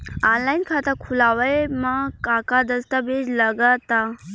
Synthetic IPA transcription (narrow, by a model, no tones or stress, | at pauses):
anlajnkʰat̪əkʰulaʋəjmakakad̪əst̪abed͡ʒləɡat̪a